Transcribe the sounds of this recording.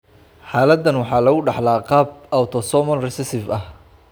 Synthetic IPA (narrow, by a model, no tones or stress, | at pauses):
ħaːlɐd̪ːɐnwɑħɑːlɐɣʊɖɑħlaːqɑːb̚ʔawt̪ʰɔsɔmɐlrɛsɛsɪfɐh